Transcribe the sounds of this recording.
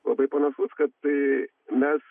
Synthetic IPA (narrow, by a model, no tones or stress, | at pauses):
lˠɐ̰bɐɪpɐnɐsuskɐt̪̚t̪ɐ | mʲɛs